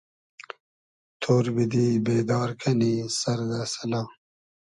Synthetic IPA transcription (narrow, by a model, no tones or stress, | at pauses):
t̪ʰoːɾbid̪iːbeːd̪ɑːɾkʰɐniːsɐɾd̪asɐlaː